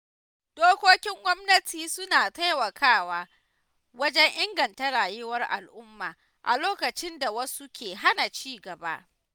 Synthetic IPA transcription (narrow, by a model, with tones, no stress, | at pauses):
d̥oː˦kʷoː˦kʲɪ˦ŋɡʷɔ˦mnɐ˦tʰiː˨sʊ˦naː˨ta˦jwɐ˨kʰaː˦waː˦ | wɐ˦d͡ʒɛ˦ŋʔɪ˦ŋɡɐ˨nta˦ɽaː˨jɪ˦wɐ˦rʔa̰˨lʔʊ˦mːaː˨ | ʔa̰˨loː˦kɐ˨t͡ʃɪ˦nda˨wɐ˦su˦kʲʰeː˨ɦa˦na˨t͡ʃiː˦ɡɐ˨ba̰˦ʔ